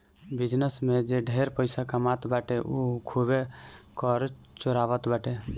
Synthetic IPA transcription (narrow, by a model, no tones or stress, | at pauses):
bid͡ʒnəsmed͡ʒeɖʱeɾpəɪsakamat̪baʈeʔukʰubekɔɾ | t͡ʃoɾaβət̪baʈe